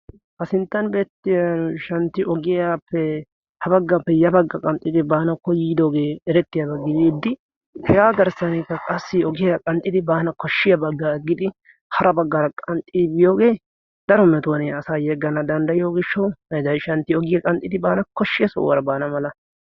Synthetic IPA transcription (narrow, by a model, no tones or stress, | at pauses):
hɐsɪnt̪ːɐnbe̞ːt̪ːɪjanʃɐnt̪ːɪʔɔɡɪjapːɛ | hɐbɐɡːapːɛjɐbɐɡːɐkʼɐnt̪ʼːɪd̪ɪbaːnɐkːɔjiːd̪o̞ːɡeːɛɾɛt̪ːɪjɐbɐɡːɪbiːd̪ːɪ | hɛɡaːɡɐɾsɐnɛkːɐkʼɐsːɪɔɡɪjɐkʼɐnt̪ʼːɪd̪ɪbaːnɐkɔʃːɪjɐbɐɡːaɡːɪd̪ɪ | hɐɾɐbɐɡːɐɾɐkʼɐnt̪ʼːiːbɪjoːɡe̞ː | d̪̥ɐɾɔmɛt̪oːneɐsaːjɛɡːɐnɐd̪ɐnd̪ɐjjo̞ːɡɪʃːɐwɐd̪ɐjʃɐnt̪ːɪɔɡɪjɐkʼɐnt̪ʼːɪd̪ɪbaːnɐkɔʃːɪjɐsɔ̰wɐɾɐbaːnɐmɐlɐ